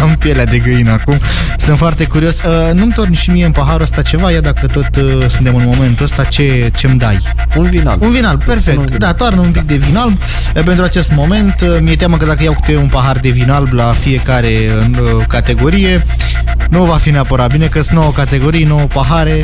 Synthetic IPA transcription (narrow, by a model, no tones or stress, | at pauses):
ampjelead̪e̞ɡɨinəakum | sɨnt̪foart̪e̞kuɾio̞sʲənumt̪o̞rnʲʃimije̞ɨnpaɦaɾuəst̪at͡ʃe̞vajad̪akət̪o̞t̪əsunt̪emɨnmo̞me̞nt̪uəst̪at͡ʃe̞t͡ʃe̞md̪aj | unvinaunvinalb̚pe̞rfek̚t̪d̪at̪oarnəunpik̚d̪e̞vinalb | pent̪ɾuat͡ʃe̞st̪mo̞me̞nt̪mije̞t̪jaməkəd̪akəjawku̥t̪eunpaɦard̪e̞vinalblafije̞kaɾe̞ | ə | kat̪e̞ɡo̞ɾije̞ | nuvafineapəɾatbilnekəsnowokat̪e̞ɡo̞ɾijenowopaɦaɾe̞